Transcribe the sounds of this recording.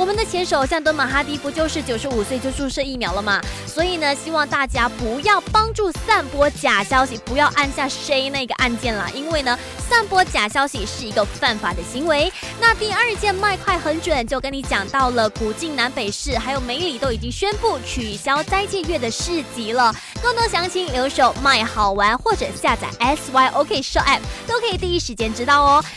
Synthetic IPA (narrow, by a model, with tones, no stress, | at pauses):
wɔ˨˩mə˨nd̪ə˩t͡ɕʰjɛ˧˥nʂo˨˧˦ʊɕjɑ˥˧ŋt̪wə˥nma˨˩xa˥t̪i˧˥pu˧˥t͡ɕjo˥˧ʊʂɻ̩˥˩t͡ɕjo˨˩ʊʂɻ̩˧˥u˨˩swe˥˩ɪt͡ɕjo˥˧ʊʈ͡ʂu˥˧ʂɤ˥˧i˥˩mjɑ˧˥ʊlə˨˧mɐ˩swɔ˧˥i˨˩nə˩ɕi˥wɑ˥˧ŋt̪a˥˩t͡ɕja˥pu˧˥jɑ˥˩ʊpɑ˥ŋʈ͡ʂu˥˧sa˥˩npwɔ˥t͡ɕja˨˩ɕjɑ˥ʊɕi˨˩pu˧˥jɑ˥˧ʊʔa˥˧nɕja˥˩ʂe˥ɪna˥˩i˧ɡə˩ʔa˥˧nt͡ɕjɛ˥˩nlə̰˩ʔi˦˥nwe˥˩ɪnə˩ | sa˥˩npwɔ˥t͡ɕja˨˩ɕjɑ˥ʊɕi˨˩ʂɻ̩˥˩i˧˥ɡə˧fa˥˩nfa˨˩d̪ə˦ɕi˧˥ŋwe˧˥ɪ | na˥˧t̪i˥˧ə˞˥˧t͡ɕjɛ˥˧nma˥˧ɪkʰwa˥˩ɪxə˧˥nʈ͡ʂwə˨˩nt͡ɕjo˥˩ʊkə˦ni˧˥t͡ɕjɑ˨˩ŋt̪ɑ˥˩ʊlə˩ku˨˩t͡ɕi˥˩ŋna˧˥npe˨˩ɪʂɻ̩˥˩xa˧˥ɪjo˨˩ʊme˧˥ɪli˨˩t̪o˥ʊi˨˩t͡ɕi˦˥ŋɕɥɛ˥npu˥˩t͡ɕʰy˨˩ɕjɑ˥ʊt͡sa˥˧ɪi˧t͡ɕʰjɛ˥˧ɥɛ˥˩d̪ə˩ʂɻ̩˥˩t͡ɕi˧˥lə˨ | kɤ˥˩ŋt̪o˥ɕjɑ˧˥ŋt͡ɕʰi˧˥ŋljo˧˥ʊʂo˨˩ʊma˥˩ɪxɑ˨˩ʊwa˧˥nxwɔ˥˩ʈ͡ʂɤ˨˩ɕja˥˩t͡sa̰˨˩ɪʔɛ˥swa˥ɪʔo˧˥ʊkʰe˥˧i˨˩ʂo˥ʔɛ˥˩p̚ʰt̪o˥ʊkʰɤ˧˥i˨˩t̪i˥˧i˥˩ʂɻ̩˧˥t͡ɕjɛ˥nʈ͡ʂɻ̩˥t̪ɑ˥˩ʊɔ˦